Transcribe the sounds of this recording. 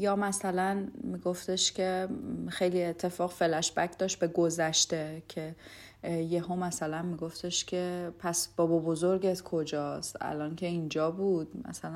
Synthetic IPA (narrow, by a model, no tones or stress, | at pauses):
jɒːmæsælænmiɡo̞ft̪ʰeʃcʲʰe̞xejliet̪ʰːe̞fɒːɣfe̞læʃb̥ækʰd̪ɒːʃt̪̚be̞ɡo̞zæʃt̪e̞cʰe | jeɦomæsælænmiɡo̞ft̪ʰeʃcʰepʰæsb̥ɒːbɒbozoɾɟet̪kʰo̞d͡ʒɒːst̪æ̰lɒːŋcʰe̞ind͡ʒɒːbuːd̪̥̚mæ̰sælæ